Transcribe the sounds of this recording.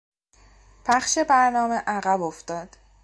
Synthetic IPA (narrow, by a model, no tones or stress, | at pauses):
pʰæχʃe̞bæɾnɒːme̞ʔæɣæboft̪ɒːd̪̥